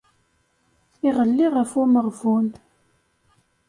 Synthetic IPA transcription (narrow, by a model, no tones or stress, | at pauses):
iʁəlːiʁəfuməʁvun